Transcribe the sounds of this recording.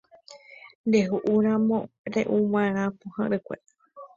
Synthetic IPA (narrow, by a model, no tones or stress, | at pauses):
nd̪eɦuʔuɾ̃ãmõɾḛʔuwãɾ̃ãpuhãɾɨkʷḛʔ